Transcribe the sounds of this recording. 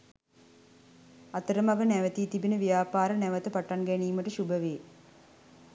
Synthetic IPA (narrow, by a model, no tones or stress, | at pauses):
at̪əɾəmaɡənæʋət̪iːt̪ibinəʋijaːpaːɾənæʋət̪əpaʈanɡæniːməʈəʃubəʋeː